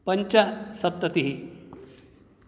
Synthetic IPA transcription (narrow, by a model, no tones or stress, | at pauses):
pɐɲt͡ʃasɐp̚t̪ɐt̪iɦi